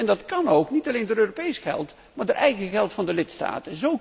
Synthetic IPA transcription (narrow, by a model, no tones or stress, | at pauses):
ɛndɑtkɑnowknitɑlejndoːɾøːropejsχɛ̰lˠt | maːɹdoːɹʔɛjɣəχɛlˠtfɑndəlɪtsta̰ːtənzow